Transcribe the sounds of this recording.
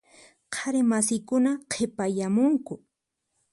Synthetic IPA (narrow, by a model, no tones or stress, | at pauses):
qʰaɾɪmasɪjkʊnaqʰepajamʊŋkʊ